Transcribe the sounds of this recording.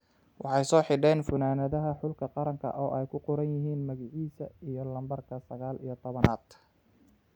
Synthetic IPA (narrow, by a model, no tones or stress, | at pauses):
wʔɑħɑjsɔːħɪɖɛːnfʊnaːnɐðɐɦɐħʊlkʰɐqɑɾɐŋkʰɐ̰ʔɔːʔɛjkʰʊqʊɾɐnjɪɦiːnmɐɣɪʕiːsɐijɔlɐmbɐrkʰɐsɐɣaːlḭjɔt̪ʰɔβɐnaːd̪